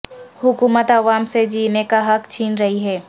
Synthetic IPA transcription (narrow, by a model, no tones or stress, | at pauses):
hʊkuːmət̪ɐʋaːmsed͡ʒiːnekaɦɐkt͡ʃʰiːnɾɐɦiɦɛː